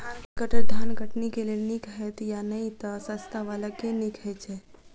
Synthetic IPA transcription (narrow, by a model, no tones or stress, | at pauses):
ɡəʈəɾd̪ʱanɡəʈnikelelnikɦɛt̪janəit̪əsəst̪aʋalakenikʰɦɛt͡ʃʰe